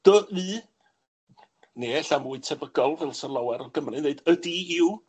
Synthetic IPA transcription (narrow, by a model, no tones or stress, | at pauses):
d̥əɨː | neːɛɬamuːɨtʰɛvəɡɔlˠvɛlˠsənlˠawɛɾɔɡəmrɨneɨdədiɪw